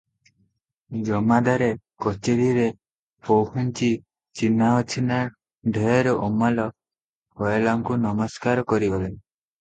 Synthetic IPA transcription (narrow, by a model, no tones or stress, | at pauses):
d͡ʒɔmad̪aɾe | kɔt͡ʃeɾiɾe | pɔwhunt͡ʃi | t͡ʃinaɔt͡ʃʰina | ɖʱejɔɾɔʔɔmalɔ | hɔjɔlaŋkunɔmɔskaɾɔkɔɾibɔlen